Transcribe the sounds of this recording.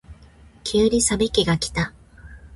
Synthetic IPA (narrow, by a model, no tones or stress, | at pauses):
kʲʰɨːɾʲisabekʲiɡakʲi̥t̪a